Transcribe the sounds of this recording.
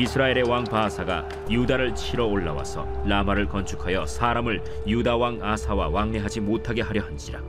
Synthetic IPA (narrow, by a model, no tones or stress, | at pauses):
isʰɯɾae̞ɾe̞waŋpaːsʰaɡa̰ | judaɾɯɭt͡ɕʰiɾʌoɭːawa̰sʰʌ̰namaɾɯɭkʌnt͡ɕʰu̥kʰajʌsʰaːɾamɯɭ | judawaŋasʰawawaŋne̞ɦad͡ʑimotʰaɡe̞ɦaɾjʌhanɕ͈iɾa